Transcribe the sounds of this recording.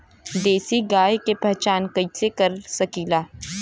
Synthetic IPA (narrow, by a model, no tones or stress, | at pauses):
d̪eːsiɡaːjkepɐɦt͡ʃaːnkɐisekɐɾsɐkiːlaː